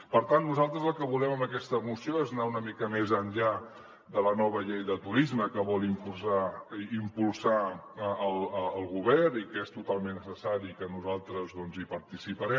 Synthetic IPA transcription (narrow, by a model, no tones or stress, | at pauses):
pəɾt̪anːuzalˠt̪ɾəzəlˠkəβulɛməməkɛst̪əmusioeznaunəmikəmezənʎa | ðələnɔβəʎejðət̪uɾizməkəβɔlimpusaimpulˠsaəlˠəəlˠɣuβɛrnikest̪ut̪alˠmenːəsəsaɾikənuzalˠt̪ɾəzðɔnzipəɾt̪isipəɾɛ